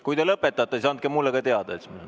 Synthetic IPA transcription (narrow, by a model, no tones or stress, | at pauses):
kujd̪elɤpːet̪ːˑɑt̪ːˑesisɑnt̪̚kemulːeɡɑt̪e̞ɑd̪̥ɑesimene